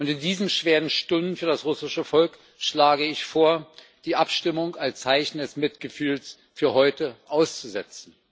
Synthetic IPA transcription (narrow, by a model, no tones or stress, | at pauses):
ʔʊntɪndiːzən̩ʃv̥eːʁən̩ʃtʊndn̩fyːɐdasʁʊsɪʃəfɔlk | ʃlaːɡəɪçfoːɐ | d̥iːʔapʃtɪmʊŋalst͡saɪçn̩dɛsmɪtɡ̥əfyːls | fyːɐɦɔʏtəʔaʊst͡suzɛt͡sn̩